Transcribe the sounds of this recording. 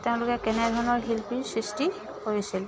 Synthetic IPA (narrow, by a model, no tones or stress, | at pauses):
teʊ̃lʊkɛkɛnɛdʱɔɹɔnɔɹɦilpisɹisti | koɹisil